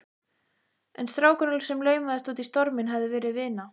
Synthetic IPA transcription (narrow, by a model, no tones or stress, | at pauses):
ɛnst̪ɾaːwkʏnʏlsɛmleːɥjmaðɪst̪uːt̪ist̪ɔɾmɪnɦavðɪvɛːɾɪðvɪːna